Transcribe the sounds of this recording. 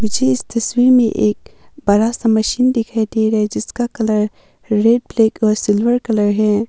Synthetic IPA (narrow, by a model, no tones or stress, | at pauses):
ɪd͡ʒʱeɪst̪ɐswiːɾmḛ̃ʔeːk̚bɐɾasamɐʃiːnd̪ɪkʰaid̪eɾɐɦed͡ʒɪskakɐləɾ | ɾeːɖ̚pleːkɔːɾsɪlwəɾkɐləɾɦɛː